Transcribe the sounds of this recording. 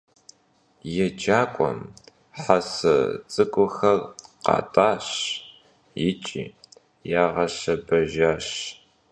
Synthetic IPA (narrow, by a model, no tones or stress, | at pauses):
jɛd͡ʒaːkʷʼɔ̰m | ħasɐ̰t͡sʼɨkʷʼʊxɐrqɑ̰ːtʼaːɕ | jɪt͡ʃʼḭː | jaːʁɐɕɐbɐʒaːɕ